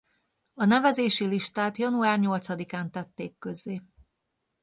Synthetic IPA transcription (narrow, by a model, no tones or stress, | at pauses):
ɒnɛvɛzeːʃiliʃt̪aːt̪jɒnuaːrɲo̞lt̪sɒd̪ikaːnt̪ɛt̪ːeːkːø̞zːeː